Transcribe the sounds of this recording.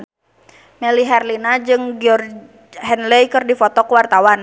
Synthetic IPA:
mɛliɦɛrlinad͡ʒɨŋɡiɔr | ɦɛnlɛjkɨrdifɔt̪ɔkəwart̪awan

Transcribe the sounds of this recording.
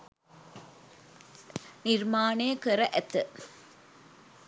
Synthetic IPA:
nɪɾmaːneːkɐɾɐʔɛt̪ːɨ

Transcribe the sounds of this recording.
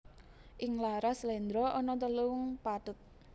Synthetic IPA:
ʔɪŋlaɾaslɛnd̪ɾɔɔnɔt̪̬əluʊŋpad̪̥ʊt̪̚

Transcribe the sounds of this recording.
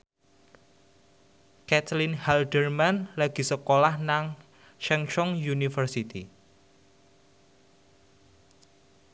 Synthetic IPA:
kɛt̪linhaldərmanlaɡ̥i̤səkolahnaŋ | ʃɛŋt͡ʃɔŋjunifərsit̪i

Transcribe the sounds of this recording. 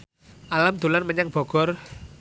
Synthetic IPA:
ʔalamd̪̥ṳlanməɲaŋb̥ɔ̤ɡ̥ɔ̤r

